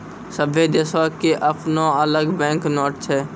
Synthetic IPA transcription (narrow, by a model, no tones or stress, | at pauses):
səbʱed̪esakeʔəpnõːələɡbɛ̃ːŋknoːʈ̚t͡ʃʰɛː